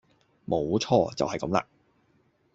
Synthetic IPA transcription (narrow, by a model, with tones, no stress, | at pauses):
mo˨˥wt͡ʃʰɔː˧t͡sɐ̰˨whɐ˨jkɐ̰˨˥mla̰ː˧